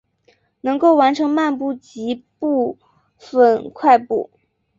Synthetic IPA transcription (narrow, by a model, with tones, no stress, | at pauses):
nɤ˧˥ŋko˥˩ʊwa˧˥nʈ͡ʂʰɤ˧˥ŋma˥˧npu˥˩t͡ɕi˧˥pu˥˩ | fə˧˩nkʰwa˥˧ɪpṵ˥˩